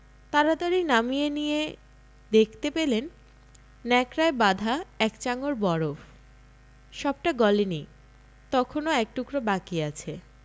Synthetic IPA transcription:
t̪aɾad̪aɾinamijenije | d̪ekʰt̪epelenː | ɛkɾaebad̪ʱaɛkt͡ɕaŋoɾbɔɾof | ʃɔb̚ʈaɡɔleni | t̪ɔkʰonoɛk̚ʈukɾobakiat͡ɕʰe

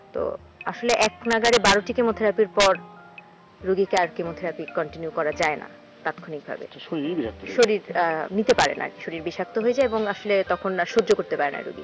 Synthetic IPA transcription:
t̪o̰ | aʃoleʔɛknaɡaɾebaɾoʈikemot̪ʰeɾapiɾpɔɾ | ɾuɡikeaɾkemot̪ʰeɾapikɔɳʈinjukɔɾad͡ʑaena̰ | t̪at̪kʰonik̚bʱa̰bḛ | ʃoɾiɾnit̪epaɾḛna̰ɾki̥ʃoɾiɾbiʃak̚t̪oɦojed͡ʑaeeboŋaʃolet̪ɔkʰonaʃod͡ʑokoɾt̪epaɾena̰ɾṵɡḭ

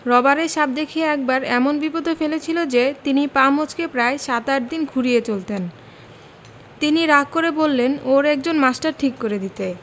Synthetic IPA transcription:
ɾɔbaɾeɾʃab̚d̪ekʰieɛk̚baɾɛmonbipod̪ʱofelet͡ɕʰilod͡ʑet̪inipamod͡ʑkepɾaeʃat̪aʈ̚d̪inkʰuɾijet͡ɕolt̪en | t̪iniɾakkːoɾebolːenoɾɛk̚d͡ʑonmasʈaɾʈʰikːoɾed̪it̪e

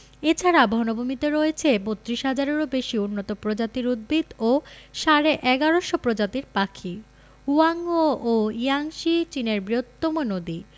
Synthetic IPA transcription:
et͡ɕʰaɾabʱɔnobʱumit̪eɾoet͡ɕʰebot̪ːɾiʃɦad͡ʑaɾeɾobeʃiunːot̪opɾod͡ʑat̪iɾud̪̚bʱid̪oʃaɾeʔɛɡaɾoʃopɾod͡ʑat̪iɾpakʰi | uaŋɡooijaŋʃit͡ɕineɾbɾiot̪ːomonod̪i

